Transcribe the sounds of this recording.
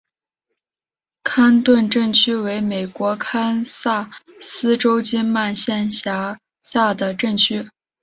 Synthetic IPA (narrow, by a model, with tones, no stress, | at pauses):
kʰa˥nt̪wə˥˧nʈ͡ʂə˥˩ŋt͡ɕʰy˥we˧˥ɪme˨˩ɪkwɔ˧˥kʰa˥nsa˥˩ | sɹ̩˥ʈ͡ʂo˥ʊt͡ɕi˥nma˥˧nɕjɛ˥˩nɕja˧˥ | sa˥˩d̪ə˩ʈ͡ʂɤ˥˩ŋt͡ɕʰy˥